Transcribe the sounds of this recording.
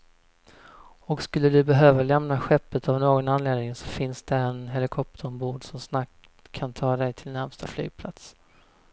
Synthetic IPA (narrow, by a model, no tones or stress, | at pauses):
ɔkskɵlːəd̪ɵbɛɦøːvalɛmnaɧɛpːət̪avnoːɡɔnanleːd̪nɪŋsɔ̥fɪnsd̪ɛɛnɦɛlɪkʰɔp̚t̪ʰəɾmbuːɖsɔmsnak | kʰːant̪ʰɑːd̪ɛjt̪ʰɪlnæɾmst̪afly̰ːɡ̚pʰla̰t̪s